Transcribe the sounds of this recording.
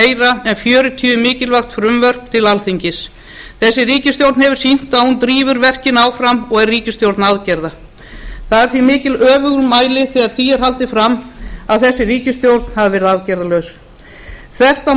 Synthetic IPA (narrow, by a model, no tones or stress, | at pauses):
ejɾaɛnfjœːɾʏt̪ʰyʏmɪːcɪlvaxt̪fɾʏmvœr̥p̚t̪ʰɪlalθiɲcɪs | θɛsːɪriːcɪst̪jowɾt̪nhɦɛvʏɾ̥sin̥t̪aðhunt̪ɾiːvʏɾvɛr̥cɪnaːwfɾamɔɣɛrːiːcɪst̪jowɾt̪naðcɛɾða | θaðɛɾ̥θvimɪːcɪlœːvʏɣʏɾmaːjlɪθɛɣaɾ̥θiɛɾ̥ɦalt̪ɪfɾamːaðθɛsːɪriːcɪst̪jowɾt̪nhavɪvɛɾɪðaðcɛɾðalœws | θɛr̥t̪a